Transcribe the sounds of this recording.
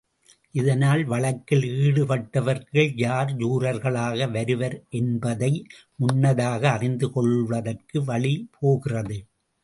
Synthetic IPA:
ʔɪðɐnaːlʋɐɭɐkːɪliːɽɯpɐʈːɐʋɐɾɣɐɭjaːɾd͡ʒuːɾɐɾɣɐɭaːɣɐʋɐɾɯʋɐɾʔɛnbɐðɐɪ | ʊnːɐðaːɣɐːrɪnd̪ɯkɔɭʋɐðɐrkɯʋɐɭipʰoːɣɪrɐðɯ

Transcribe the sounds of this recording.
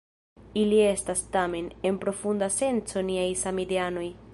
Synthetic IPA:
ilie̞stastame̞ne̞mpɾo̞fundase̞nt͡so̞niajsamideano̞j

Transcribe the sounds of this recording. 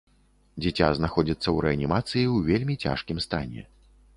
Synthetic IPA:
d͡zʲɛt͡sʲa̰znaxɔd͡zʲit̪sːɐwɾɛɐnʲimat̪sɨjiwvʲelʲmʲit͡sʲa̰ʂkʲimst̪anʲɛ̰

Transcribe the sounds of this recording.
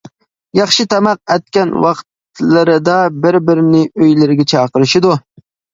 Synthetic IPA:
jɑχʃɪt̪ʰɛmɑq̚ɛt̪̚kʲɛnwɑqt̪lɪɾɪd̪ɑbɪɾbɪɾɪnɪøjlɪɾɪɡʲɛt͡ʃʰɑːqəɾɪʃɪd̪u

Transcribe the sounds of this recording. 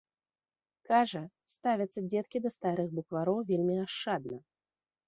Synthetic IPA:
kaʐɐ | st̪avʲɐt̪sːɐd͡zʲɛt̪kʲid̪ɐst̪aɾɨxɣbukvaɾɔwvʲelʲmʲiaʂːad̪̚nɐ

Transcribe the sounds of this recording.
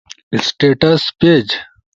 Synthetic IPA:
sʈeːʈɐsped͡ʑ

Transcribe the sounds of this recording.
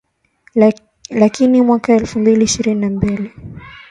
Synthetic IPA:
lakinimwakaɛlfumbiliːʃiɾininambili

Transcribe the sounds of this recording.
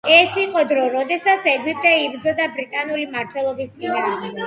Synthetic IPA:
ɛsiqʼɔd̪ɾɔɾɔd̪ɛsat̪sʰɛɡwip̚ʼt̪ʼɛibɾd̪zɔd̪abɾit̪ʼanulimaɾt̪ʰwɛlˠɔbist̪sʼinaːɛ

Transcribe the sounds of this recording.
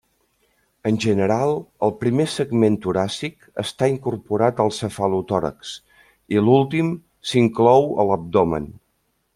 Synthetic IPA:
ənʲʒənəɾalˠəlˠpɾimesəɡment̪uɾasik | ə̰st̪aiŋkurpuɾat̪əlˠsəfalut̪ɔɾə̰ks | ilulˠt̪im | siŋklɔwə̰ləb̚d̪ɔmə̰n

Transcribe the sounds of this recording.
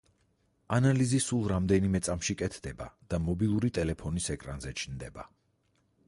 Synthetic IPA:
analizisulˠɾamd̪ɛnimɛt̪sʼamʃikʼɛt̪ʰd̪ɛbad̪̥amɔbilˠuɾit̪ʼɛlɛpʰɔnisɛkʼɾanzɛt͡ʃʰnd̪ɛba

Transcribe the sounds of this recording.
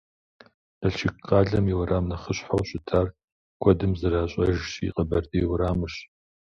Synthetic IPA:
ɐɬt͡ʃʰɪkqɑːɮɐmiwɐɾaːmnɐχəɕħawɕʼɪtʰaːr | kʷʰɔdɨmzɨɾaːɕʼɐʒḭqʼɐbɐrtʼiːwɾaːmɨɕ

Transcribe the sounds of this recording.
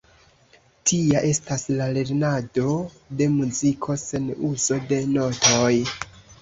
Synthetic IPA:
tʰiaʔe̞staslale̞ɾnado̞ | de̞muzikʰo̞se̞nuz̥o̞de̞no̞tʰoj

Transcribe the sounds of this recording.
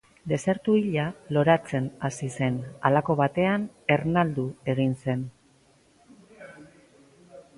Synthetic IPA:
d̪e̞se̞ɾt̪uiʎalo̞ɾat͡se̞nasise̞na̰lako̞βat̪e̞ane̞ɾnald̪ue̞ɣ̞inse̞n

